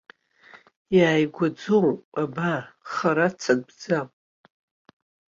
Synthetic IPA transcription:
jaːjɡʷad͡zolpʼabaχaɾat͡sʰaɡ̚bd͡zamʼ

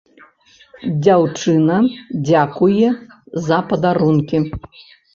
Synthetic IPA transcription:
d͡zʲawt͡ʂɨnɐd͡zʲakujɛ | zɐpɐd̪aɾunkʲi

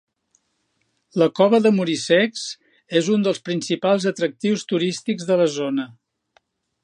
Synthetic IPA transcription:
ləkɔβəðəmuɾisɛkz | ezund̪əlˠspɾinsipalˠzət̪ɾək̚t̪iwst̪uɾist̪iɡzðələzonə

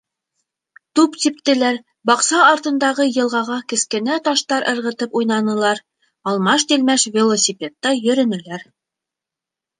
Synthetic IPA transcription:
t̪upt̪ip̚t̪ɘ̆læɾ | bɑqsɑːɾt̪ɤ̆nd̪ɑʁɤjɤ̆lˠʁɑʁɑkɘ̆skɘ̆næt̪ɑʃt̪ɑɾʔɤ̆ɾʁɤ̆t̪ɤpujnɑnɤ̆lˠɑɾ | ɑlˠmɑʃt̪ilmæʃvʲelˠosʲipʲet̪ːɑjɵ̆ɾɘ̆nɘ̆læɾ

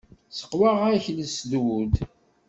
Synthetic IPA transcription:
sə̥qːwaʁæçləsðwud̪

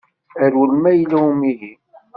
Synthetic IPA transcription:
əɾwəlmæjlæumiɦi

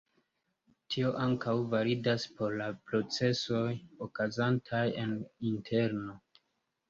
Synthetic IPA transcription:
tʰio̞ʔaŋkawvaɾidaspo̞ɾlapɾo̞t͡se̞so̞jokazantʰaje̞nintʰe̞ɾno

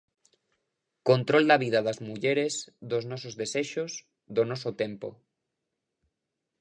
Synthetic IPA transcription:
kont̪ɾɔld̪aβ̞ið̞aðazmuʎeɾezðoznɔsozðeseʃoz | ðonɔsot̪empo̰

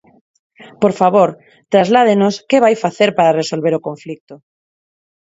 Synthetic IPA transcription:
poɾfaβoɾ | t̪ɾazlað̞enoskeβ̞ajfaθeɾpaɾaresolβeɾokõɱflik̚t̪o

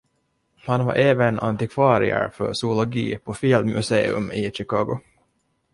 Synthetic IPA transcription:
hanva̰ɾʔeːvəna̰nt̪ɪkʰvɑːɾɪ̰ə̰ɾfœ̰ʂʊʊlɔɡḭːpʰɔfɪlmɵseːɵ̰mɪɕɪkɑːɡʊ

